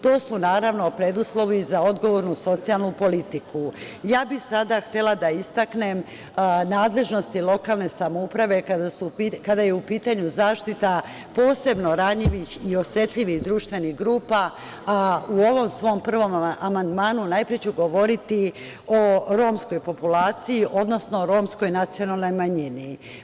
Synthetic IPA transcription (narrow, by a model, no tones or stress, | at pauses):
t̪o̞ːsunaːɾaʋno̞pɾe̞d̪uslˠo̞ʋizao̞d̪ɡo̞ʋo̞ɾnuso̞t̪sijalˠnupo̞lit̪iku | jaːbixsad̪axt̪e̞lad̪aist̪akne̞m | naːd̪le̞ʒno̞st̪ilo̞kaːlˠne̞samoupɾaʋe̞kad̪asukad̪ajeupiːt̪aɲuzaːʃt̪it̪a | po̞ːse̞bno̞ɾaɲʎiʋixio̞sje̞t̪ʎʲiʋihd̪ɾuːʃt̪ʋe̞nixɡɾuːpaː | uo̞ʋo̞msʋo̞mpr̩ʋo̞mamand̪maːnunajpɾet͡ɕuɡo̞ʋo̞ɾit̪i | o̞ɾo̞ːmsko̞jpo̞pulaːt̪sijiʔo̞d̪no̞sno̞ɾo̞ːmsko̞jnat̪sio̞nalˠno̞jmaɲini